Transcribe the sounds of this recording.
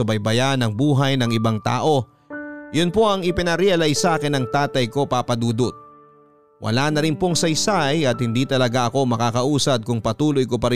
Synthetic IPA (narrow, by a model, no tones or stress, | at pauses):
ɐbɐjbɐjanɐŋbuːɦɐjnɐŋʔɪbaŋt̪a̰ːʔo̞ | jʊnpo̞ʔɐŋɪpɪnɐɾɛɐlɐjsaːkɛnɐŋt̪aːt̪ɐjko̞paːpɐd̪uːd̪ʊt̪̚ | wʔɐ̰laːnɐɾɪnpoŋsɐjsajɐt̪̚hɪnd̪iːt̪ɐlɐɡaʔɐko̞mɐkaːkɐʔuːsɐd̪̚kʊŋpɐt̪uːlojkopɐɾɪ